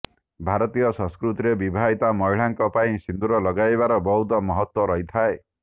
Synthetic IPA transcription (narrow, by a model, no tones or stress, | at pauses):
bʱaɾɔt̪ijɔsɔ̃skɾut̪iɾebibʱaɦit̪amɔjɭ̤aŋkɔpaĩsind̪uɾɔlɔɡajbaɾɔbɔɦut̪ɔmɔɦɔt̪wɔɾɔɦit̪ʰae